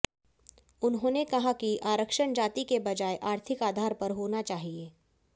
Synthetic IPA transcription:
ʊnɦõːnekɐɦakiʔaːɾəkʃəɳd͡ʒaːt̪ikebɐd͡ʒaːeʔaːɾt̪ʰɪkaːd̪ʱaːɾpɐɾɦoːnat͡ʃaːɦieː

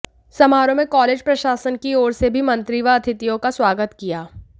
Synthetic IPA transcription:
sɐmaːɾõmẽkɔːleːd͡ʒpɾɐʃaːsənkiɔːɾsebʱimɐ̃nt̪ɾiʋaɐt̪ʰɪt̪ijõkaswaːɡət̪kijaː

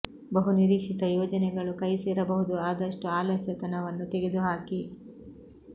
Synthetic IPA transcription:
bɐɦuniɾiːkʂit̪ɐjɔːd͡ʒɐnɛɡɐɭukɐjsɛːɾɐbɐɦud̪uaːd̪ɐʂʈuaːlɐsjɐt̪ɐnɐʋɐnːut̪ɛɡe̞d̪uɦaːki

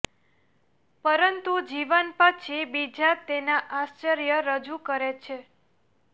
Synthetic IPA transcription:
pəɾənt̪ud͡ʒiʋənpat͡ʃʰibid͡ʒat̪enaʔast͡ʃəɾjəɾəd͡ʒukəɾet͡ʃʰe

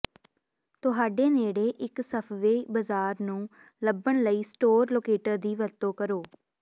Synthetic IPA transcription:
t̪ʊɦaːɖeːneːɽeːʔɪksəpʰʋeːbəzaːɾnũː | ləbəɳləiːsʈoːɾloːkeːʈəɾd̪iːʋəɾt̪õːkəɾoː

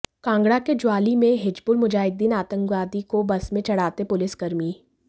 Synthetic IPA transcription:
kãːŋɡɽaked͡ʒʊwaːlimẽɦɪd͡ʒbʊlmʊd͡ʒaːɪd̪iːnaːt̪ə̃ŋkʋaːd̪ikobɐsmẽt͡ʃɐɽ̤aːt̪epʊlɪsɡɐɾmiː

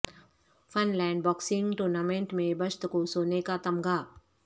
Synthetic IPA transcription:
fʰɐnlɛ̃ːɳɖbɔːksɪ̃ŋɡʈoːɾnaːmẽɳʈmẽbɐʃt̪kosoːnekat̪ɐmɡaː

